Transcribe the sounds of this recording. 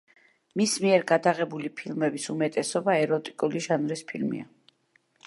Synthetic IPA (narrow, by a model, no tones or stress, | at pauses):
mismiɛɾɡad̪aʁɛbulipʰilˠmɛbisumɛt̪ʼɛsɔbaɛɾɔt̪ʼi̥kʼuliʒanɾispʰilmḭa̰